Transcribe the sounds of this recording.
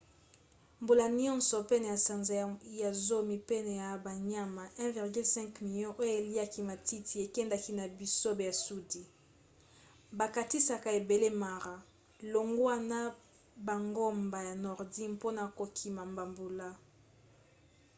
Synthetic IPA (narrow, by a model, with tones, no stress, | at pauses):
mbu˨la˨ni˦ɔ̃˦nsɔ˨pe˦na˨ja˨sa˨nza˨ja˨zo˦mi˨pe˦ne˨ja˨ba˨ɲa˦ma˨ʔɛ̃˦vi˨ʁɡy˦lsɛ̃˦ŋkmi˨ljɔ̃˦ʔo˦jo˦e˨li˦a˦ki˦ma˨ti˦ti˨e˨kɛ˦nda˨ki˦na˨bi˦so˦be˨a˨su˦di˨ | ba˨ka˨ti˦sa˨ka˨e˨be˨le˦ma˨ʁa˨ | lo˨ŋɡwa˦na˦ | ba˨ŋɡo˦mba˨ja˨nɔ˨ʁdi˦npo˦na˨ko˨kʰi˨ma˨mba˨mbu˨la˦